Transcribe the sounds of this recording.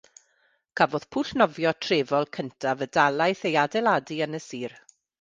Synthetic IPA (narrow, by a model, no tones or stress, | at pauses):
kʰavoːð̥pʰuɬnɔvjɔtʰreːvɔlˠkʰəntʰavədalˠajθejadɛlˠaːdiənəsiːr